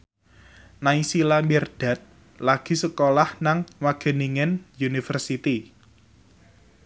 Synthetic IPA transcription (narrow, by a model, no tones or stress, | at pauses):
naisilamɛrd̥a̤t̪̚ | laɡ̥i̤səkolahnaŋwaɡ̥ə̤niŋɪnjunifərsit̪i